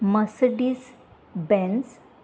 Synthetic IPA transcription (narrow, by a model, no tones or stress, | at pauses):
məsɖis | bɛ̃ns